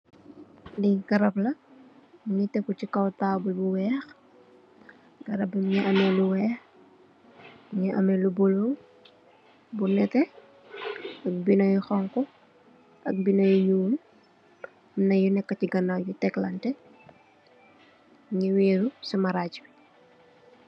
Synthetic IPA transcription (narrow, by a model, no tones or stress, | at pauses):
diɡɐɾɐplɐ | ɲitɛpucikɐwtaːbulbuwɛːx | ɡɐɾɐbɐmɲiʔɐmɛluwɛːx | ɲiʔɐmɛlubuluŋ | bunɛtɛ | ɐk̚binɐjxɔŋkɔ | ʔɐ̰k̚binɐjuɲuːl | mnɐjunɛkːɐciɡɐnajutɛklɐntɛ | ɲiwiːɾusɐmɐɾacu̥